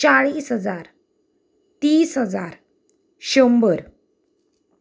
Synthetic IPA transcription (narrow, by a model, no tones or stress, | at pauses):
t͡ɕaɭiːsɦəd͡zaɾ | t̪iːsɦəd͡za̰ɾ | ɕəmbəɾ